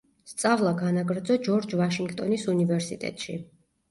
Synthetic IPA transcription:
st̪sʼavlˠaɡanaɡɾd̪zɔd͡ʒɔɾd͡ʒvaʃiŋɡt̪ʼɔnisunivɛɾsit̪ʼɛ̰t̪ʼʃḭ

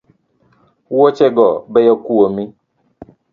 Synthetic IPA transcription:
wot͡ʃɛɡɔbɛjɔkuomĩ

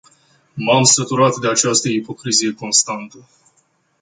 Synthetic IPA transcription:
mamsət̪uɾat̪d̪e̞at͡ʃast̪əipo̞kɾizije̞ko̞nst̪ant̪ə

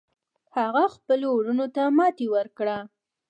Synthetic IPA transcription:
haɣaxpəloɽunot̪amɑt̪ewəɾkɽa

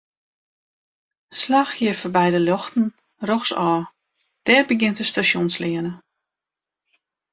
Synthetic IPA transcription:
slaxjɪfəbɛjdəljɔxtn̩ | rɔxsɔː | d̥ɛrbəɡɪntəstasjonslɪənə

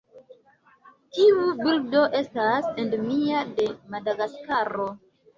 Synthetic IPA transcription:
tiubildo̞ʔe̞stasendmiade̞madaɡaskaɾo̞

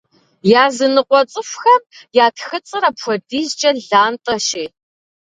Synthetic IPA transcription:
jaːzɨnɨqʷɔt͡sʼɨfxɐmjaːtʰxɨt͡sʼɨɾɐpxʷɔdiːzd͡ʒʼɐɮaːntʼɐʃeː

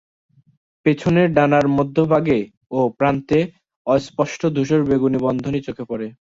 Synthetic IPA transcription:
pet͡ɕʰoneɾɖanaɾmɔd̪ʱːobʱaɡe | opɾant̪e | ɔjspɔʃʈod̪ʱuʃoɾbeɡunibɔnd̪ʱonit͡ɕokʰepɔɾe

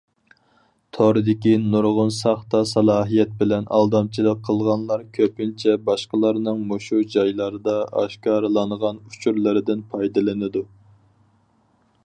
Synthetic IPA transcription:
t̪ʰoɾɨd̪ɪkʲinuɾʁʊnsɑχt̪ɑsɑlˠɑːɦijɛt̪̚bɪlɛnʔɑ̰lˠd̪ɑmt͡ʃʰilˠəqʰːəlˠʁɑnlˠɑɾkʲʰøpɪnt͡ʃʰɛbɑʃqəlˠɑɾnɨŋmoʃud͡ʒɑjlˠɑɾɨd̪ɑɑ̰ʃkɑːɾɨlˠɑɴʁɑnu̥t͡ʃʰuɾlˠɨɾɨd̪ɪnpʰɑjd̪ɨlˠɨnɨd̪u

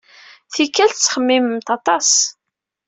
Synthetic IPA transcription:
θikːælt͡sːχəmːiməmt̪ɑt̪ˤɑs

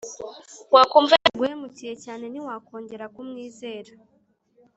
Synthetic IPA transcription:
wakuɱveɡwemucije̞caːne̞niwako̞ːɲɟe̞ɾakumŋiːze̞ːɾa

